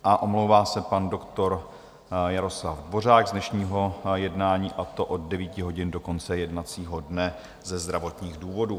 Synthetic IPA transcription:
ʔaʔo̞mlowvaːsɛpando̞kt̪o̞ɾ | jaɾo̞slavdvo̞r̝aːɡzdnɛʃɲiːɦo̞jɛdnaːɲiːʔat̪o̞ʔod̚dɛviːcɪɦo̞ɟɪndo̞ko̞nt͡sɛjɛdnat͡siːɦo̞dnɛ | zɛzd̪ɾavo̞t̪ɲiːɣduːvo̞duː

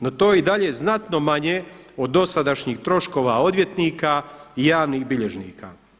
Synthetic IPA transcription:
not̪oːeid̪aʎe̞znat̪no̞maɲe | o̞d̪ːo̞sad̪aʃɲiːxt̪ɾo̞ʃko̞ːʋao̞d̪ʋje̞t̪niːkaːijaːʋniːɣbiʎe̞ʒnḭːka̰ː

